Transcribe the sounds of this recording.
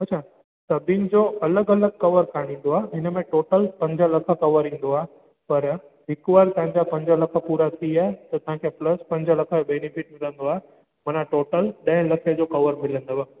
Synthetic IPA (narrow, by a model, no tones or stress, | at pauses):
ɐtːɕʰa | sɐbʱɪnɪ̆d͡ʑoɐləɡɐləɡ̚kɐʋəɾkaɽ̃ĩːn̆d̪oaːeɦɪnəmẽʈoːʈəlpɐ̃ɲd͡ʑʱəlɐkʰə̆kɐʋəɾĩːn̆d̪oae | pɐɾ | ɦɪkʋaːlt̪ɐ̃ɦɪ̃ɲd͡ʑapɐ̃ɲd͡ʑʱəlɐkʰə̆puːɾat̪ʰiaɦet̪ɐt̪ɐɦãkʰeplɐspɐ̃ɲd͡ʑʱəlɐkʰəbeːnɪfɪʈ̚mɪlə̃nd̪oaɦe | mɐnaʈoːʈəlɗə̃ɪ̃lɐkʰed͡ʑokɐʋəɾmɪlə̃nd̪oʋ